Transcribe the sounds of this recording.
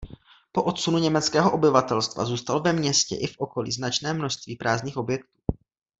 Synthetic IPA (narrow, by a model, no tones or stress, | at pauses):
po̞ʔo̞t̪sunuɲɛmɛt͡skɛːɦoʔo̞bɪvat̪ɛlst̪va̰zuːst̪alvɛmɲɛscɛ̰ʔɪfʔo̞ko̞lḭːznat͡ʃnɛːmnoʃst̪viːpɾʔaːzɲiːxʔo̞bjɛkt̪u̥ː